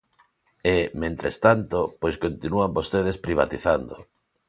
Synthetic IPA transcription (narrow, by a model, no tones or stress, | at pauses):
emẽnt̪ɾest̪ant̪opojskont̪inuambost̪eðespɾiβa̰t̪iθand̪o